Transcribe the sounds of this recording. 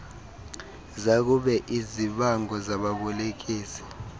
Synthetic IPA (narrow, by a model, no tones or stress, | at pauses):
zak̬uɓɛʔiziɓaŋɡɔzaɓaɓɔlek̬iːsi̥